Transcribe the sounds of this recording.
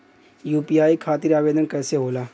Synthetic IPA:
juːpiːaːikʰaːt̪ɪɾaːʋeːd̪ənkɛːseɦoːlaː

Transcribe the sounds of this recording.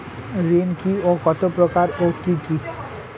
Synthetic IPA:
ɾinkiokɔt̪opɾokaɾokiki

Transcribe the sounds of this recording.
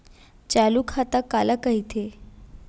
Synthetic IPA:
t͡ɕalukʰat̪akalakəɦit̪ʰe

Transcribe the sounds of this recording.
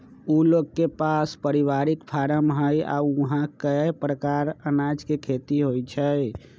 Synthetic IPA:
uloɡkːepaspəɾiʋaɾikpʰaɾəmɦəja̰uɦãkəpɾəkaɾənad͡ʒkekʰet̪iɦojt͡ʃʰəj

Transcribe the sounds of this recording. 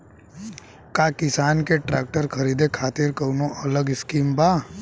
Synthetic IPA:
kakɪsaːnkeʈɾɛːk̚ʈəɾkʰɐɾiːd̪ekʰaːt̪ɪɾkɐwnõʔɐləɡɪskiːmbaː

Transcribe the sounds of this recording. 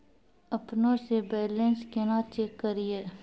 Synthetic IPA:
ɐpnõsebɛːlenskenaːt͡ʃeːkːəɾieː

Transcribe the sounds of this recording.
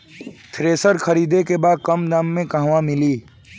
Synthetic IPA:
t̪ʰɾeːsəɾkʰəɾiːd̪ekebaːd̪̚kəmd̪ãːmːẽkaɦwamɪliː

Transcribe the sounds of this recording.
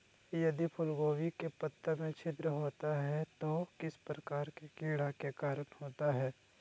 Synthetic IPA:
jɐd̪ipʰʊlɡoːwikepət̪ːəmẽt͡ʃʰɪt̪ɾəɦoːt̪aɦɛt̪okɪspɾəkaːɾkekeːɽakekaːɾənhoːt̪aɦɛː

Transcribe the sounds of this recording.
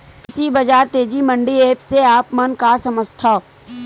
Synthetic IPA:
kɪsibɐd͡ʒaːɾt̪eːd͡ʒimɐ̃ɳɖieːpseaːpmɐnkaːsɐməst̪ʰa

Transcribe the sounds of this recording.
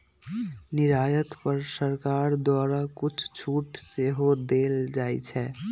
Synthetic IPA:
niɾajət̪pəɾsəɾkaɾd̪waɾakut͡ʃʰt͡ʃʰuʈseɦod̪eld͡ʒajt͡ʃʰɛ

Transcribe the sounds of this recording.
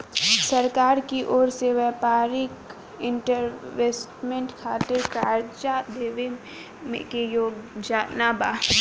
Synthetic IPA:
səɾkaːɾkiʔoːɾseʋɛːpaːɾɪk | ɪ̃ɳʈəɾʋeːsʈmẽɳʈkʰaːt̪ɪɾkaːɾt͡ʃad̪eːʋe | mḛ̃kejoːɡd͡ʒaːnabaː

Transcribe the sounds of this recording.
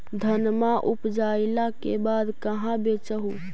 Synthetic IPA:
d̪ʱənmaʔupd͡ʒailakebad̪kəɦãbet͡ʃəɦu

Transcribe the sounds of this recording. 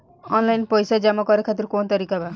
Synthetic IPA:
ɔnlajnpɔjsad͡ʒamɔkɔɾekʰat̪iɾkont̪aɾikaba

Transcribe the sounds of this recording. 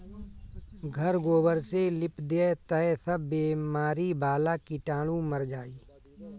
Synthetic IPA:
ɡʱəɾɡoːbəɾselɪpd̪et̪əɛsəbːeːmaːɾibaːlakiʈãːlũməɾd͡ʒaːiː

